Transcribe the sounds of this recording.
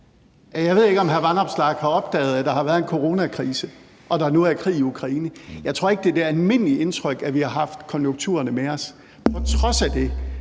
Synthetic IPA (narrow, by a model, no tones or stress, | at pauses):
jæjɑ̈ɪʋe̝ð̰ˠeɡ̥ɒ̽mɦæɐʋɑnɒb̥slɑ̈ːɡ̥hɑ̈ɒ̽b̥̚d̥ɛ̰ːð̞̩ˠæd̥ɑ̈hɑ̈ʋæːɐðˠe̝nkʰo̝ʁo̝ːnækʰʁiːsə | ʔɒ̽ɾ̥ɑ̈æɐnoːð̩ˠækʰʁḭːiukʰʁɑ̈iːnəjɑɪt͡sʰʁo̝ɐe̝ɡ̥̚d̥e̝d̥æɐælme̝n̰əlie̝nt͡sʰʁœɡ̥æʋihɑ̈ɦɑ̈fd̥kʰɒ̽njoŋɡ̥̚t͡sʰuːɐnəmeɒ̽s | pʰɒ̽t͡sʰʁɒ̽sæd̥e̝